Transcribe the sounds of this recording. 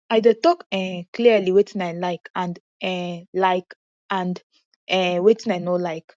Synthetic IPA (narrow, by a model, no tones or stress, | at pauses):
ajdətɔkɛ̃kʰliəliwɛtʰĩnajlaɪkãnd | ɛ̃laɪk | ʔãnd | ɛ̃wɛtĩnajnolaɪk